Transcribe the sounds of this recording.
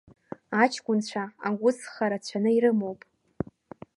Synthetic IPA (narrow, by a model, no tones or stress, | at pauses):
at͡ʃʰkʷʼʊnt͡ɕʷʰaaɡʷʊsχaɾat͡ɕʷʰanɨiɾɨmo̞wpʼ